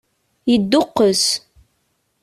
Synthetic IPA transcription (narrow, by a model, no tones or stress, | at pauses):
jəd̪ːʊqːəs